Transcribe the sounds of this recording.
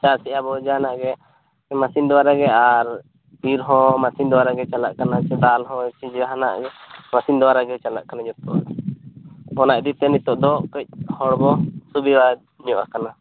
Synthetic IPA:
t͡ʃasiʔabɔd͡ʒanaʔɡɛ | masind̪ɔaɾaɡɛaɾ | iɾɦɔ̃masind̪ɔwaɾaɡɛt͡ʃalaʔkanat͡ʃɛd̪alɦɔ̃t͡ʃid͡ʒaɦana̰ʔɡɛmasind̪ɔwaɾaɡɛt͡ʃala̰ʔkanad͡ʒɔt̪ɔ̰ʔ | ɔnaʔd̪it̪ɛnit̪ɔʔd̪ɔʔkɔc̚hɔɽbɔsubiwa | ɲɔʔakana

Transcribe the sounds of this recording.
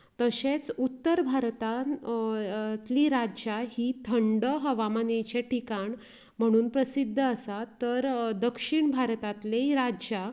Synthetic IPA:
t̪əɕet͡sut̪ːəɾbʱaɾt̪a | t̪liːɾad͡ʑjaɦiːt̪ʰəɳɖəɦəʋamanet͡ɕeʈʰikaɳ | m̤əɽ̃uːnpɾəsid̪ʱːəːsat̪əɾd̪əkʂiɳbʱaɾt̪at̪leiɾad͡ʑa

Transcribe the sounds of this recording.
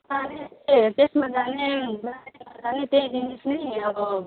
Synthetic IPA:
aneekesmad͡ʒanebaimad͡zanet̪ed̪inesnəiʌbʌ

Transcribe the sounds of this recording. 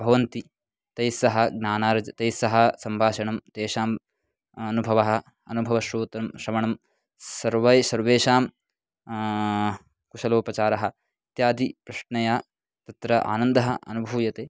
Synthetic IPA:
bʱɐʋɐnt̪i | t̪ɐjsɐɦɐ̆ɡ̚naːnaːɾɐd͡ʒɐt̪ɐjsɐɦɐ̆sɐmbʱaːʃɐɳɐmt̪eːʃaːm | ɐnubʱɐʋɐɦɐ̆ | ɐnubʱɐʋɐʃɾuːt̪ɐmʃɾɐmɐɳɐm | sɐɾʋɐjsɐɾʋeːʃaːm | kuʃɐloːpɐt͡ʃaːɾɐɦɐ̆ | it̪jaːd̪ipɾɐʂɳɐjaː | t̪ɐt̪ɾɐʔa̰ːnɐnd̪ɐɦɐ̰ʔɐ̰nubʱuːjɐt̪eː

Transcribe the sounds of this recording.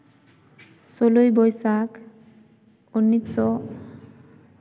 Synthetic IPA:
solojbɔjsak | onːit̪sɔ

